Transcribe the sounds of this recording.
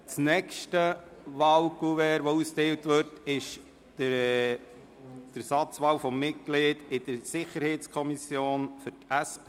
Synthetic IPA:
t͡snɛkʃtəʋɑːwkuʋɛɾʋousteːwtʋʏɾtɪʃ | d̥əɾsɑt͡sʋɑːwfɔmːɪt̚ɡ̥leːdɪd̥əɾsɪχəɾheɪt͡skʰɔmisjoːnfʏɾtæspʰː

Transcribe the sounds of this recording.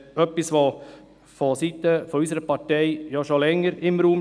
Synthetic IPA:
œpːisʋo | fɔsit̪ːəfɔysəɾəpɑtɛɪjɔʃolɛŋːəɾɪmɾuːm

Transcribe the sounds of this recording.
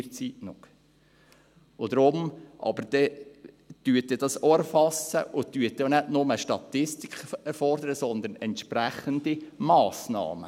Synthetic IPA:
ɾt͡siːtnʊχ | ʊd̪ɾʊmʔɑ̰bəɾd̥̪ɛ | d̪̥yət̚ːɛd̥ɑsoɛɾfɑsə̰ʔʊtyət̪̚ːɛonædnʊməʃtɑt̪ɪst̪ikχɛɾfɔɾd̪əɾəsɔnd̪ənɛntʃpɾæχənd̥̪imɑːsnɑ̰ːmə

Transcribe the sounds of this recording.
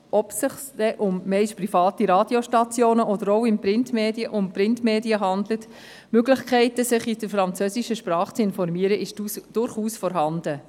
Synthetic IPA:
ɔpsɪχsdɛʔʊmːɛɪʃprifɑːtiɾɑːdioʃtɑt͡sjoːnəʔɔdəɾɔʊɪmpɾɪntmeːdiəʔʊnprɪntmeːdiəɦɑndlət | møɡlɪχkχɛɪtəsɪχid̥əɾfɾɑnt͡søsiʃəʃprɑːχt͡sɪnfɔɾmiəɾəʔɪʃd̥ʊɾχuːsfɔɾɦɑnd̥ə

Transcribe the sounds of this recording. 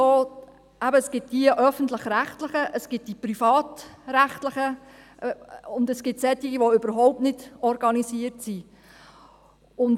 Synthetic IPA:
oː | æbəəsɡ̥ɪt̚d̥iəʔœfən̩tləχɾæχtləχəʔəsɡ̥ɪt̚d̥ipɾifɑːt̪ɾæχtləχə | ʊndəsɡ̥ɪtsɛt̪ːiɡiʋoʏbəɾɦɔwp̚tnɪdɔɾɡɑnisiəɾtsi | ʊn

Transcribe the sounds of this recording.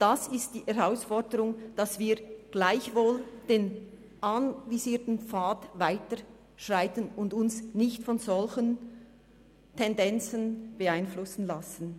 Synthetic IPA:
d̥asɪst̚d̥iːʔɛʁaʊsfɔɾdəɾʊŋd̥ɑsv̥iːɡ̥laɪçvoːld̥eːn | ʔanviziːtn̩faːtvaɪtə | ʃʁaɪtənʊndʊnsnɪçtfɔnzɔlçən | tʰɛndɛnt͡sənb̥əaɪnflʊsn̩lasən̩

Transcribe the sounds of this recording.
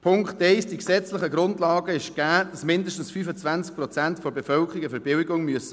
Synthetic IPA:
pʰʊŋktɛɪsd̥iksɛt͡sləχəɡɾʊndlɑːɡəɪʃɡ̥æːd̥ɑsmɪndəʃtn̩sfyːfət͡sʋænt͡sk̚pɾɔt͡sæntfɔɾbefœlkʰəɾɪɡəfəɾb̥ɪwɪɡʊŋmyəsə̥

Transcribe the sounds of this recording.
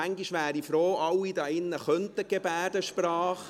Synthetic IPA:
æŋɡiʃʋæːɾifɾoːɑwid̪ɑɪnːəχœnt̪əɡ̥ebæːdəʃpɾɑːχ

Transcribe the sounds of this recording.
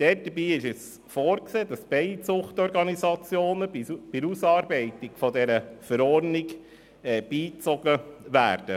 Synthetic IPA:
d̥ɛːt̚d̥əɾbiːɪʃɛs | fɔːɾkseːdɑsb̥ɛɪsʊχtɔɾɡɑnizɑt͡sjoːnəb̥ɪɾusɑːɾbɛɪtɪɡ̥fɔdɛɾəfəɾɔːɾniɡ | ɛːb̥iːt͡sɔɡəʋæ̰ːɾd̥ə

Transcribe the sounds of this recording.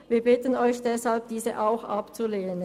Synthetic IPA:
viːɐbɪtənɔʏçd̥ɛshalp̚d̥iːzəʔaʊxʔapt͡suleːnən

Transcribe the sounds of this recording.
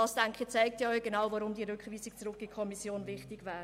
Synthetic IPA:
ɑːsd̥ɛŋkχɪt͡sɛɪk̚tjɑœʏɡ̥enawvɔɾʊmdiəɾʏkχviːsɪk̚t͡sɾʊkːikʰɔmisjoːnvɪχtɪɡvæːɾ

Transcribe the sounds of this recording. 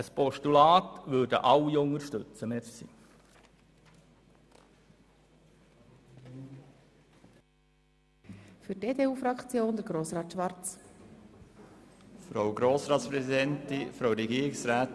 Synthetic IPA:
əspɔʃtulɑːt̪ʋøːdə̰ʔɑwːioŋərʃtɵt͡səmetsḭː | fyɾdeːdeːuːfɾɑkʰt͡sjoːnd̥̪əɾɡɾoːsɾɑːt̪ʃʋɑɾt͡s | fɾowɡɾoːsɾɑːt̪spɾɛsidɛnt̪ifɾaʊɾɛɡiːəɾɪksɾæːt

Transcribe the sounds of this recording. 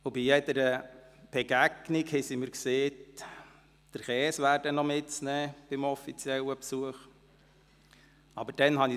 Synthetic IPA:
ʊbijɛd̪əɾəb̥ɛɡ̥æɡ̥nikhɛsiməɾkseː | d̥əɾχɛːsʋæːɾd̥ənɔmɪtt͡snɛːb̥ɪmɔfit͡sjɛləpsuəχ | ɑbəɾd̥ɛnɦɑni

